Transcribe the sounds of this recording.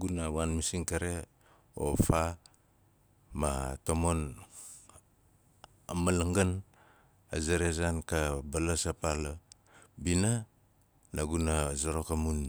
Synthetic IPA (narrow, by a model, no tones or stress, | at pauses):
ɡunawanmisiŋkaɾe | ofa | matomon | amalaŋɡan | a̰zaɾezankabalasapala | bina | naɡunazaɾokamun